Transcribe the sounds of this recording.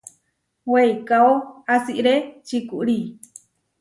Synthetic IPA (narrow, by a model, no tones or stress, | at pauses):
wejkaoasiʔɾet͡ʃikuʔɾi